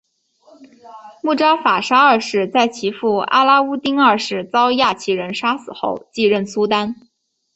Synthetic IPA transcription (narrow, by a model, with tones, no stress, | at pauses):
mu˥˩ʈ͡ʂɑ˥ʊfa˨˩ʂa˥ə˞˥˧ʂɻ̩˥˧t͡sa˥˩ɪt͡ɕʰi˧˥fu˥˩a̰˥la˥u˥t̪i˥ŋə˞˥˧ʂɻ̩˥˩t͡sɑ˥ʊja˥˩t͡ɕʰi˧˥ɻə˧˥nʂa˥sɹ̩˨˩xo˥˧ʊt͡ɕi˥˧ɻə˥˩nsu˥t̪a˥n